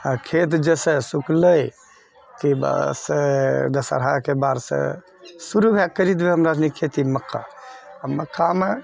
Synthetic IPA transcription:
akʰet̪d͡ʒesẽsukləj | kiba̰sed̪əsa̰ɾɦajkebaɾsḛ̃ | suɾubʱɛk̚kːəɾit̪beɦəmɾad͡ʒnikʰet̪iməkːa̰ | aməkːame

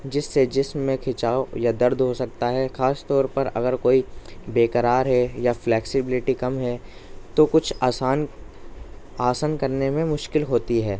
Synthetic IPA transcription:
d͡ʒɪsːed͡ʒɪsmːẽkʰɪt͡ʃaːojad̪ɐɾd̪ʱɦosɐk̚t̪aɦɛxaːst̪ɔːɾpɐɾɐ̰ɡəɾkoːibeːkəɾaːɾɦɛjaflɛːksɪbɪlɪʈikɐmɦɛt̪okʊt͡ʃʰaːsaːn | aːsənkɐɾnemẽmʊʃkɪlɦoːt̪iɦɛː

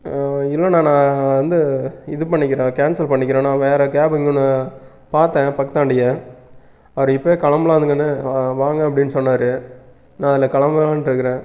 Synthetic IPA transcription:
ɪlːɐnãːnãːʋɐnd̪ɯɪðɯpɐɳːɪkːɪɾẽːkeːnsɐlpɐɳːɪkːɪɾẽːnãːʋeːɾɛkeːbɪŋɡɯnːɯ | paːɾt̪ẽːpɐkːɐt̪ːãːɳɖɪjẽː | ɐʋɐɾɯ̃ɪpːɐeːkɐɭɐmbɐlaːɐd̪ɯŋɡɐnːɯʋaːŋɡɐ̃ɐp̬ːɐɽɪnːɯsɔnːaːɾɯ | nãːɐðɪlːɐkɐɭɐmbɐlãːnɾɯkːɯɾẽː

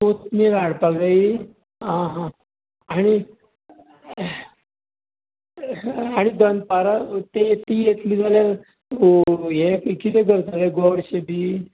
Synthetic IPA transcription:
t̪ot̪miɡaɽpaɡai | ɦãɦã | aɽ̃i | aɽ̃id̪ənpaɾat̪et̪ijet̪liːd͡zaljal | oɦẽkkit̪eɡəɾt̪aɡeɡɔɽɕebiː

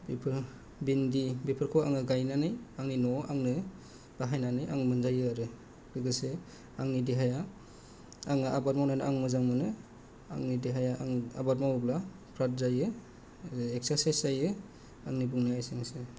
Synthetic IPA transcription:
bipʰɾ | bindibepʰɯɾkʰɔa̰ŋɯɡajnanɯjaŋninɔaŋnɯ | b̥aɦajnanɯja̰ŋɯmɯnzajɯaɾɯ | ɾɯɡɯse | aŋnidiɦaja | aŋɯʔabaɾmawnanɯʔaŋmɯzaŋmɯnɯ | a̰ŋnidiɦajaʔaŋa̰baɾmawbla | pʰɾat̚zajɯ | ek̚saɾsajsajɯ | aŋnibuŋnajaseŋsɯ

